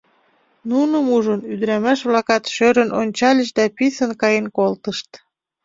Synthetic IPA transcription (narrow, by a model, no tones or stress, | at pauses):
nunəmuʒənyd̪əɾæmæʃβlɑkɑt̪ʃøɾənonʲt͡ɕɑlʲəʃd̪æpisənkɑjenkolt̪əʃt̪